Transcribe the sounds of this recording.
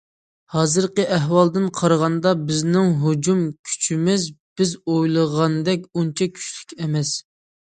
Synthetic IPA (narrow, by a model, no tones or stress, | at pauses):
hɑːzɨɾqəʔæɦwɑlˠd̪ɨnqʰɑɾʁɑnd̪ɑbɪznɪŋɦud͡ʒumkʲʰy̥t͡ʃʰimɪzb̥ɪzojlˠəʁɑnd̪ɛkʲunt͡ʃʰɛkʲʰy̥t͡ʃlykʲɛmɛs